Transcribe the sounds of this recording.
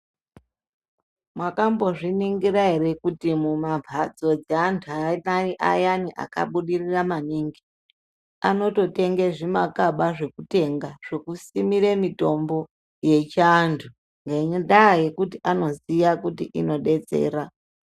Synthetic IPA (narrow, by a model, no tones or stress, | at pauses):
mwakambo̞ʐiniŋɡiɾaɦere̞kutimumavʱad͡zo̞d͡zeantʰuanaiʔa̰janiʔa̰ka̰ɓuɗiriramaniŋɡi | a̰no̞to̞te̞ŋɡeʐimakaɓaʐe̞kute̞ŋɡaʐ̥ekusimiɾemito̞mbo̞ | je̞t͡ʃantʰu | ŋɡeɲndaje̞kutiʔano̞zijakutiʔino̞ɗe̞t͡se̞̰ːɾa